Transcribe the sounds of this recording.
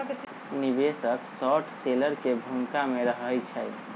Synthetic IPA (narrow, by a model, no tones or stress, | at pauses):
nibesəksɔʈʰseləɾkebʱuŋkameɾəɦəjt͡ʃʰə